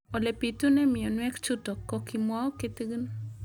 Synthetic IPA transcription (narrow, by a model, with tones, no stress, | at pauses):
ɔ˨le˨pit̪u˦nɛ˦mɪ˨jɔ˨nwɛ˦kt͡ʃʊ˦tɔ˨kːɔ˨kimwa˦ɔ˦ket̪ɡn